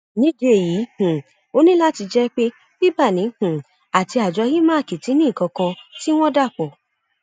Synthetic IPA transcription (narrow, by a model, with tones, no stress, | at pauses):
nĩ˦d͡ʒe˧e˨ji˨˦hũ˨ | o˦nĩ˦la˦ti˧d͡ʒɛ˦k͡pe˦ | bi˦ba˦˨nĩ˨˦hũ˨ | a˨ti˧a˨d͡ʒɔ˨˧˦hi˦mã˦˨ki˨ti˨˦nĩ˦˨kɔ̃˧kã˧ti˦w̃ɔ̃˦da˦˨k͡pɔ˨